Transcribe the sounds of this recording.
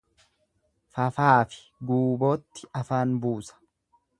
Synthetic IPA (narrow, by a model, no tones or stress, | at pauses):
fɐfaːfɪ̥ | ɡuːbo̞ːt̪ːɪɐfaːnbuːsɐ̥